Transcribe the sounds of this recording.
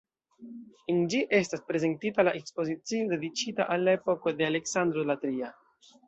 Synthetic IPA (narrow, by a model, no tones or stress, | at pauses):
ind͡ʒiʔe̞staspɾe̞ze̞ntitalaʔe̞kspo̞zit͡siode̞dit͡ʃitaʔalːae̞po̞ko̞de̞ale̞ksand̪ɾolatɾia